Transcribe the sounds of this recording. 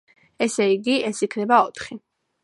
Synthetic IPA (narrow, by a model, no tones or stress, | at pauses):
ɛsɛiɡiɛsikʰnɛbaɔt̪ʰχi